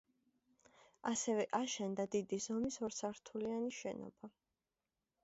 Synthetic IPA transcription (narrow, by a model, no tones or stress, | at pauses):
asɛvɛʔaʃɛnd̪ad̪id̪izɔmisɔɾsʰaɾt̪ʰulianiʃɛnɔ̰b̥a